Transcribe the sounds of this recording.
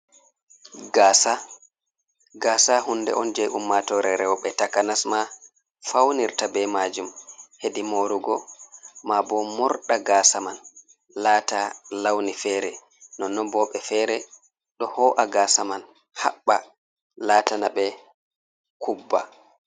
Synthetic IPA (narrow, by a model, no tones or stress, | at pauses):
ɡasa | ɡasaɦundɛ̰ʔɔnd͡ʒɛʔumːatɔɾɛɾɛwɔɓɛtakanasma | fawniɾtabɛmad͡ʒumhedimoɾuɡɔmabɔmɔɾɗaɡaːsaman | laːtalawnifɛːɾɛ | nɔnɔbɔɓɛfɛːɾɛ | ɗɔhɔːʔaɡasaman | ha̰ɓːa | laːtanaɓɛ | kubːa̰